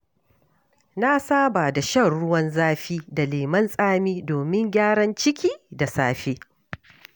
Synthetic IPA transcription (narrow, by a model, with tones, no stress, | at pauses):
na˦saː˦ba˨da˨ʃɐ˦˨rɽʊ˦wɐ˦nzaː˦ɸiː˦da˨leː˨mɐ˦nsʼaː˦miː˦doː˨mɪ˦ŋɡʲaː˦ɽɐ˦nt͡ʃɪ˦kʲʰiː˦da˨saː˦ɸeː˦